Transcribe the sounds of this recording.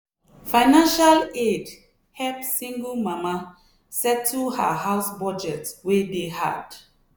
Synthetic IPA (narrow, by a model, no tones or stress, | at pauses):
fãɪnãnʃaled | hɛpsĩŋɡəlmama | sɛtʰːuhaɦaʊsbɔd͡ʒɛtwedeha̰d̥